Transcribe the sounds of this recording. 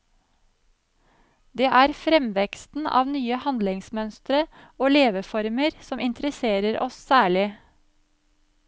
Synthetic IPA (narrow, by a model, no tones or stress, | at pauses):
d̪eːʔæːɾfɾɛmʋɛkst̪n̩ɑ̰ːʋnyːəhɑnd̪lɪŋsmœnst̪ɾə | oːleːʋəfɔɾməɾsɔmɪnt̪ɾəseːɾəɾɔssæːɭɪ